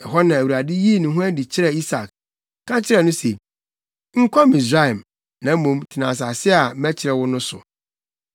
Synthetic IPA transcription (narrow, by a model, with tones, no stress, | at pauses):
ɛ˨ɦɔ˦nã˨æ˨wu˨ɾa˨dɪ˦ji˦˨nʊ̃˨ɦʊ̃˦æ˦di˨t͡ɕʰɪ˦ɾɛ˦˨i˦sa˨k | kʰã˦t͡ɕʰɪ˦ɾɛ˨nʊ̃˦se˨ | ŋ̩˦kʷʰɔ˦mĩ˨sɾa˦ɛ˨m | nã˨˦mũ˨mtʰɪ˨nã˨s̬a˨sɪ˦a˨˦æ˦t͡ɕʰɪ˨ɾɛ˨wʊ˦nʊ̃˦sʊ̰˨